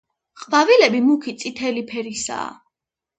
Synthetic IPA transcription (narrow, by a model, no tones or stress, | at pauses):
χʼvavilɛbimukʰit̪sʼit̪ʰɛlipʰɛɾisa̰ː